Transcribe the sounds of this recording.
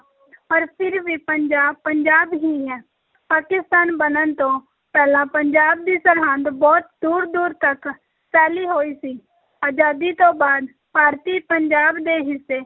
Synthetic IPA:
pəɾpʰɪɾʋipəɲd͡ʒaːpəɲd͡ʒaːbɦiɦɛ̃ː | paːkɪst̪aːnbənənt̪õː | pɛːlãːpəɲd͡ʒaːb̚d̪iːsəɾɦãnd̪bɔːt̪̚d̪uːɾd̪uːɾt̪ək | sɛːliːɦoːiːsiː | aːd͡ʒaːd̪it̪õːbaːd̪ | paːɾt̪iːpəɲd͡ʒaːbd̪eːɦɪseː

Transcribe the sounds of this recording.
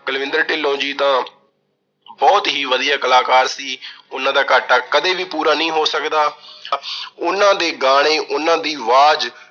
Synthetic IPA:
kəlʋɪ̃nd̪əɾʈɪlːõːd͡ʒiːt̪ãː | bɔːt̪ɦiːʋəd̪ijaːkəlaːkaːɾsiːʊnãːd̪aːkaːʈaːkəd̪eːʋiːpuːɾaːnəĩːɦoːsəkd̪aː | ʊnãːd̪eːɡaːɽ̃eːʔʊnãːd̪iːʋaːd͡ʒ

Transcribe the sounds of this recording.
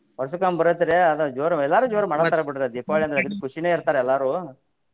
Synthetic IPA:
ʋɐɾsukaːmbɐɾɐt̪ːiɾeɐd̪ɐd͡ʒoːɾɐɛlːaːɾuːd͡ʒoːɾɐmɐɳɐt̪ːɐɾɐbiʈːɾeɐd̪ipaːɭiɐnd̪ɾɐɡid̪kuʃineːiɾt̪aːɾeɛlːaːɾuː

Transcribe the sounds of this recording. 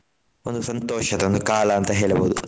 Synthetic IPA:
ond̪usɐnt̪oːʂɐt̪eond̪ukaːlɐɐnt̪ɐɦeːlɐboːd̪u

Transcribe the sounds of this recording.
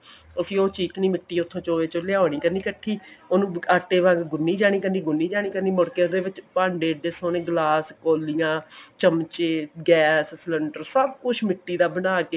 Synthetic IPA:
osʰiːoːt͡ʃiːkniːmɪʈːiːʊt̪ʰːõːt͡ʃoːʋeːt͡ʃoljaːoːɽ̃iːkəɾniːkəʈʰːiːoːnũːaːʈːeːʋãŋɡɡʊnːiːd͡ʒaːɽ̃iːkənd̪iːɡʊnːiːd͡ʒaːɽ̃iːkəɾniːmʊɽkeːod̪eːʋɪt͡ʃpaːɳɖeːɖeːsoːnẽːɡlaːskoːlijãːt͡ʃəmt͡ʃeːɡɛːssləɳɖəɾsəb̚kʊt͡ʃʰmɪʈːiːd̪aːbənaːkeː

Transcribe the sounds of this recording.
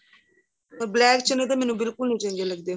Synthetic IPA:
blɛːkt͡ʃɪnət̪eːmɛːnũːbɪlkʊlnĩːd͡ʒə̃ːŋɡeːləɡ̚d̪eː

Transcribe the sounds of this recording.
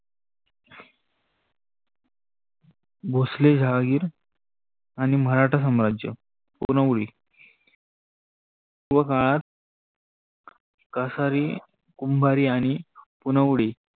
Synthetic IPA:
bʱosled͡ʑʱaɡiːɾ | aɽ̃iməɾaʈʰəsəmɾad͡ʑjə̰ | punəʋɽiː | kuʋəkaɭat̪̚ | kasaɾiː | kumbʱaɾiːaɽ̃ipunəʋɽiː

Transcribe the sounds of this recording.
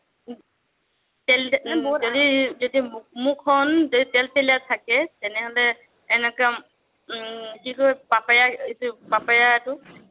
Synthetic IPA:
tɛlzodizodimmukʰɔnzoitɛlpɛlijatʰakɛtɛnɛɦɔlɛː | nɛka | kikɔjbapajaitubapajatʊ

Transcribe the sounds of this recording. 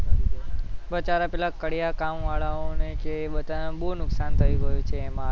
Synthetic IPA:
ʋət͡ʃaɾapɛlakəɽijakamʋaɭaõnekeʋət̪añbonʊksant̪ʰəjũɡəjũt͡ʃʰeːmã

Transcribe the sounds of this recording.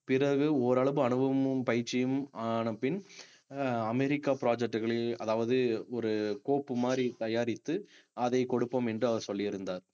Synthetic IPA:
pɪrɐɣɯɔːɾɐɭɐʋɯɐɳɯʋɐmɯpɐjɪɾt͡ʃːɪjɯmaːɳɐpːɪn | ɐmɛɾɪkːaːpɪɾaːd͡ʒɛk̚ʈːɯɣɐɭɪlɐðaːʋɐðɯɔɾɯkoːpːɯmaːɾit̪ɐjaːɾɪt̪ːɯɐðɐɪkɔɽɯpːɐːmɛndrɯɐʋɐɾsɔlːɪɪɾɯnd̪aːɾ

